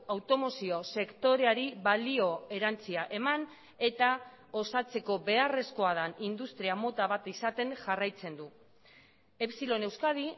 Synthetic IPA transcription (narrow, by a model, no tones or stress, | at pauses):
awt̪o̞mo̞sio̞se̞kt̪o̞ɾe̞aɾiβalio̞e̞ɾant͡siaʔe̞man | e̞t̪a | o̞sat͡se̞ko̞βe̞are̞sko̞aðanind̪ust̪ɾiamo̞t̪aβ̞at̪isat̪e̞ŋʝarajt͡se̞nd̪u | e̞psilo̞ne̞wskaði